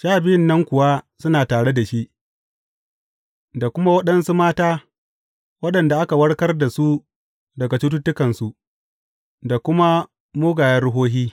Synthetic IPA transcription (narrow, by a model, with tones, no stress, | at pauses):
ʃaː˦˨bɪ˦jɪ˦nːɐ˦ŋkʷʊ˨wa˦sʊ˦naː˨taː˨ɽe˦da˨ʃi˦ʔ | da˨kʷʊ˦ma˦wɐ˦ɗɐ˦nsu˦maː˦taː˦ | wɐ˦ɗɐ˨nda˨ʔa˦ka˨wɐ˦ɽkɐ˦rda˨su˦ | dɐ˨ɡa˨t͡ʃʊ˦t̬u˦tːʊ˦kɐ˨nsu˨ʔ | da˨kʷʊ˦ma˦ | moː˦ɡaː˨jɐ˦ɽʊ˦ɦoː˦ɦiː˦